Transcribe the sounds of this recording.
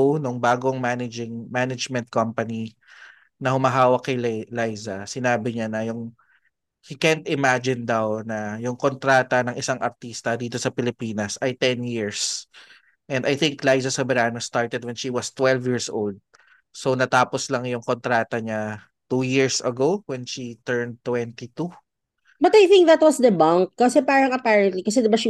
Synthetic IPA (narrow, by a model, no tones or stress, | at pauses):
nʊŋbaːɡoŋmanɐd͡ʒɪŋmanɐd͡ʒmɛnt̪̚kɐmpɐni | nɐhʊmɐɦaːwɐkːɐjllajzɐsɪnaːbɪɲanɐjʊŋ | hikɛnt̪ɪmad͡ʒɪnd̪ɐwnɐjʊŋkont̪ɾaːt̪ɐnɐŋʔɪsaŋʔɐɾt̪iːst̪ɐd̪iːt̪o̞sɐpɪlɪpiːnɐsʔɐjt̪ɛnjiɹs | ʔɛ̃nd̪ɐjθɪŋklajzɐsɛbɛɾaːnost̪aɹt̪ɛd̪̚wɛnʃiwɐst̪wɛlvjiɹsʔo̰ld̪̚ | sonɐt̪aːposlɐŋjʊŋkont̪ɾaːt̪ɐɲa | t̪ujiɹsɐ̰ɡowɛnʃit̪ɛɹn̚t̪ːwɛnt̪it̪u | bɐt̪ajθɪ̃ŋk̚ðɐt̪̚wɔsd̪ɐbãŋkːɐsɛpaːɾɐŋɐpaɹɐ̃nt̪likɐsɛd̪ɪbaʃ